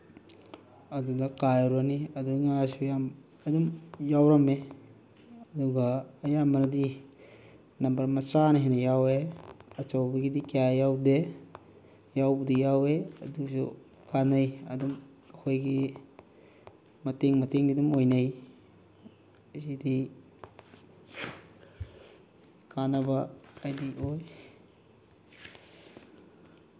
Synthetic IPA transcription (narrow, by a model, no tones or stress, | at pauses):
adudakajɾuaniaduŋasujam | adumjawɾame | ɐduɡaːjamaɾadi | nambaɾmat͡ʃanaɦinajaweɐt͡ʃawbiɡidikajawde | jawbudijaweɐdusṵ | kanajadum | akʰojɡi | mateŋmateŋdidumojnaj | sidi | kanabaːjdiʔoj